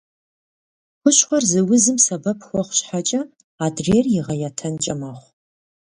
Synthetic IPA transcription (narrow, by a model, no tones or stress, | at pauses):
χʷʊɕχʷɔrzɨwʊzɨmsɐbɐpʰxʷɔχʷɕħat͡ʃʼɐ | aːdreːrjɪʁɐjatʰɐnt͡ʃʼɐmɐχʷ